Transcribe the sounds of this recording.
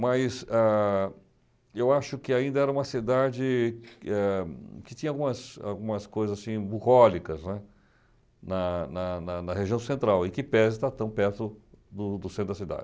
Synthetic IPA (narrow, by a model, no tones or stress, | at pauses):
mɐjsa | ewaʃʊkɪaĩnd̪ɐɛɾɐũmɐsid̪ad͡ʒɪɛkɪt͡ʃ̪ĩɐawɡũmɐsa̰wɡũmɐskojzɐzasĩbuʁɔlikɐznɛ | nɐnɐnɐnɐheʒiɐ̃w̃sẽnt̪ɾawɪkɪpɛzɪt̪at̪ɐ̃w̃pɛɾt̪ʊ | d̪ʊd̪ʊsẽt̪ɾʊd̪ɐsid̪a̰d͡ʒɪ